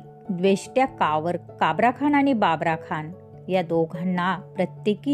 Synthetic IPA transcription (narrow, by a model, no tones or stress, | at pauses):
d̪ʋeɕʈjakaʋəɾkabɾakʰanañibabɾakʰan | jad̪oɡʱanːapɾət̪jeki